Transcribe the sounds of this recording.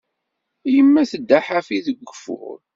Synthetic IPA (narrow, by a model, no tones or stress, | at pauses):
jəmːæθəd̪ːaħafiðəɡʷːəfʊ̰ɾ